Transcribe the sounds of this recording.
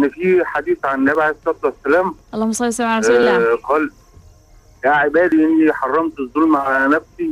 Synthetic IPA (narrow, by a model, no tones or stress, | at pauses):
ʔenːefiːħad̪iːθʕanːæbʕesɑt̪ˤːwæsːælæːmlˤːɑmsˤɑlsæmʕaxɑːles | jæʕebæːd̪iʔenːiħɑrˤːɑmt̪ezˤːuːlmaʕalænæfsi